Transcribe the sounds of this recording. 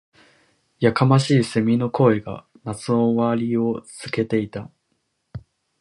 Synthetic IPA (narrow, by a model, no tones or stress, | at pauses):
jakamaɕiːse̞mʲino̞ko̞eɡa̰ | nat͡sɨoβaɾʲio̞sɨke̞t̪e̞it̪a